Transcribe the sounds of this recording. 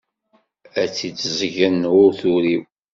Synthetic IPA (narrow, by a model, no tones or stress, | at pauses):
æt͡sːit͡sːzʝənʊɾθuɾiw